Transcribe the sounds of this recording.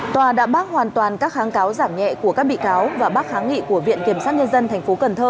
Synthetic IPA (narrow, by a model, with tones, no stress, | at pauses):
t̪waː˨˩ɗa̰ː˧˥ɓaː˦˥k̚hwaː˨˩nt̪waː˨˩nkaː˦˥k̚xaː˨˦ŋkaː˨˦wzaː˧˩mɲɛ̰˧˨ku˧˩əkaː˦˥k̚ɓḭ˧˨kaː˨˦wvaː˨˩ɓaː˦˥k̚xaː˨˦ŋŋḭ˧˨ku˧˩əvḭ˧˨ənki˧˩əmsaː˦˥t̚ɲə˧nzə˧nt̪ʰɛ˨˩ŋ̟fo˨˦kə˨˩nt̪ʰəː˧